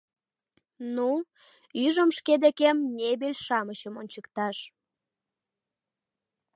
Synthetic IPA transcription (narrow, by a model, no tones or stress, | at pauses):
nu | yʒəmʃked̪ekemnʲebelʲʃɑməɕəmonʲt͡ɕəkt̪ɑʃ